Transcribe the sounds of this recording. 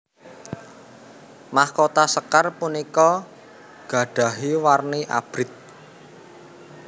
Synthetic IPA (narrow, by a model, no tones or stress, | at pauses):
mahkot̪asəkarpunikɔ | ɡ̥a̤ɖ̥ä̤ɦiwarniʔa̰b̥ɾɪt̪̚